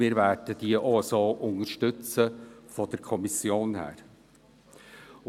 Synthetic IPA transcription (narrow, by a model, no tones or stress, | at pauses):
mɪːɾvæːɾd̥əd̥iəʔɔsoːʔʊŋərʃtʏt͡səfɔd̥əɾkʰɔmisjoːnhæ̰ːɾ